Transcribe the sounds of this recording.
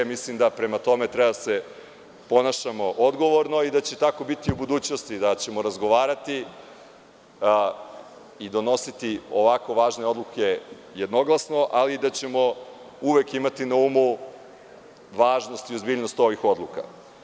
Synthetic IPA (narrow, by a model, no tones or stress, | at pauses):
mislimd̪apɾe̞mat̪o̞me̞t̪ɾɛbad̪ase̞ | po̞naʃamo̞ʔod̪ɡo̞ʋo̞ɾno̞id̪at͡ɕet̪ako̞bit̪iubud̪uːt͡ɕnost̪id̪at͡ɕe̞moɾazɡo̞ʋaːɾat̪i | id̪o̞no̞sit̪io̞ʋako̞ʋaːʒne̞o̞d̪lˠuke | je̞d̪no̞ɡlˠasno̞ʔaliːd̪at͡ɕe̞mo̞ | uʋekimat̪inaumu | ʋaːʒno̞st̪iozbiːʎno̞st̪o̞ʋixo̞d̪luka̰